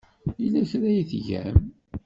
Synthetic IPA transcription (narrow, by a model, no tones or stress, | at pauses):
ilæçɾæjθʝæ̰m